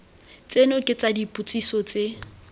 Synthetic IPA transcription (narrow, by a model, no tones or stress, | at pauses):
t͡sʼenʊkʼɪt͡sadipʼut͡sʼisɔt͡sʼe